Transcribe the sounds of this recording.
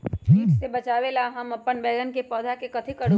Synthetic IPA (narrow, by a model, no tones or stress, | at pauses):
iːʈsebɐt͡ʃaːʋelaɦɐmɐpːənbɛːɡənkepɔːd̪ʱakekɐt̪ʰikɐɾɽo